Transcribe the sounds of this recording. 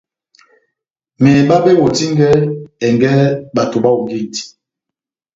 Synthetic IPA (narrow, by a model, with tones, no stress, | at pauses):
mɛ˨ɛ˨ɓa˦be˦wo˨ti˦ŋ˦ɡɛ˦ɛ˨ŋɡɛ˦ɓa˨to˨ɓa˦u˨ŋɡe˦˨ti̥˨